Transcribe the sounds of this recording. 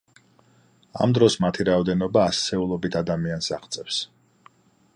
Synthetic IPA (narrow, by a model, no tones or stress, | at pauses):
a̰md̪ɾɔsmat̪ʰiɾaɔd̪ɛnɔbaːssɛulˠɔbit̪ʰad̪amiansa̰χt̪sʼɛfs